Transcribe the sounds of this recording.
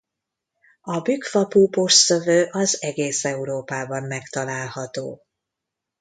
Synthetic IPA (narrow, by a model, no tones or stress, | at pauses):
ɒbykfɒpuːpoʃsøvøːʔɒzɛɡeːsɛuɾoːpaːbɒmːɛkt̪ɒlaːlhɒt̪o̰ː